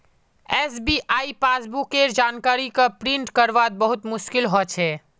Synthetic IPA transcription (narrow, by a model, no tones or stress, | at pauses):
ɛːsbiʔaːipaːsbukeɾd͡ʒaːnkaːɾikapɾɪ̃ɳʈkəɾʋad̪̚bəɦʊt̪mʊʃkɪlɦɔt͡ʃʰɛ